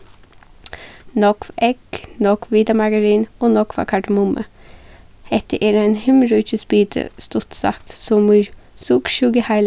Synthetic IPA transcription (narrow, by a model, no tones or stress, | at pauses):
nɔkʋɛknɔkʋʋiːd̪ɑmɑɡəɾiːnoːnɔkʋɑ̰kʰɑɖəmʊmʔə̰ | hɛt̪əʔeːɾeːnhɪmɾʉːçəspiːt̪ʰə̰st̪ʊt̪sɑ̰kt̪sɔmsukʃʉɡəhɑɪl